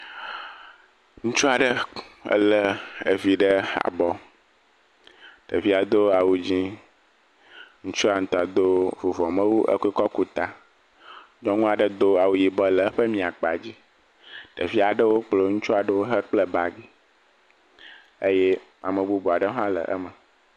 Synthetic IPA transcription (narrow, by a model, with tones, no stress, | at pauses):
ŋũ˦t͡ʃu˦a˨ɖə˦ə̰˦lə˨e˨vi˨ɖə˦a̰˨bɔ˦ | ɖ̥ə˨vi˦a˨d̪o˦a˨wu˨d͡ʑi˦ | ŋũ˦t͡ʃu˦a˨ŋ̩̃˨t̪ɔ˨a˨d̪o˦vo˨vɔ˨mə̃˦wu˦ʔə̰˦ku˦i˦kɔ˦ku˦t̪a˨ | ɲɔ̃˦ŋũ˦a˨ɖə˦d̪o˦a˨wu˨ji˨bɔ˦lə˨ə˦ɸə˦mĩ˨a˨k͡pa˨d͡ʑi˦ | ɖə˨vi˦a˨ɖə˦wo˦k͡plo˦ŋũ˦t͡ʃu˦a˨ɖə˦wo˦ɦə˦k͡plə˦ba˨ɡi˦ | e˦je˦ | a˨mə˨bu˦bu˨a˨ɖə˦ã˦lə̰˨ʔə̰˦mə˨